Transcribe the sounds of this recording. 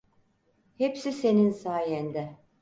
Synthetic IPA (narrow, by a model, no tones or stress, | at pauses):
hepsise̞ninsaːjɛnd̪ɛ